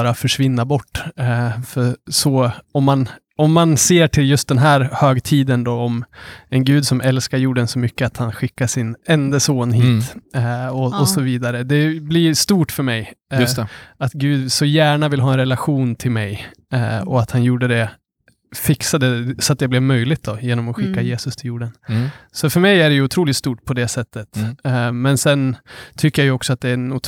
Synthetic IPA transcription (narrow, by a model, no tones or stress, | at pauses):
ɾafœʂvɪnːabɔʈːfœsɔɔmːan | ɔmːanseːʈʰɪljɵst̪̚d̪ɛnɦæːɾhøːɡt̪ʰiːd̪ənd̪ɔɔmɛnɡʉ̟ːd̪sɔmɛlskaɾjuːɖɛnsɔmʏkːəat̪hanɧɪkːaʂɪnɛnd̪əsoːnɦiːt̪ | ɔɔsɔviːd̪aɾəd̪ɛblɪʂt̪uːʈfœɾmɛjjsat̪ɡʉ̟ːd̪sɔjæːɳavɪlɦɑːɛnɾɛlaɧuːnt̪ʰɪlmɛj | ɔat̪hanjuːɖəd̪ɛ | fɪksad̪əsɔat̪̚d̪ɛblɛvmœjlɪɡt̪̚d̪ɔjeːnɔmɔɧɪkːajeːsɵst̪ʰɪljuːɖənsɔfœɾmɛjæɖɛjɵʊt̪ʰɾuːlɪt̪st̪uːʈpʰɔd̪ɛsɛt̪ːət̪mɛnsɛnt̪ʰʏkːəjajɵɔksɔat̪̚d̪ɛnʊt̪